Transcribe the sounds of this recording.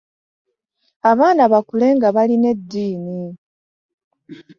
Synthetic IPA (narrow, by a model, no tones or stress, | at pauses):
aβaːnaβakule̞ŋɡaβaline̞dːiːni